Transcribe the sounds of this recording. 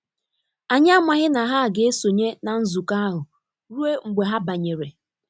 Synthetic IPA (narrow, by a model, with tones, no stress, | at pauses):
a˨ɲa˦mʷa˨ɦɪ˦na˨ɦa˦˨ɡe˦so˨ɲe˦na˨n̩˦zu˨ka˦a˦ɦʊ˨ | ɾu˦e˦ŋ͡m̩˨ɡ͡be˨ɦa˦ba˨ɲe˨ɾe˨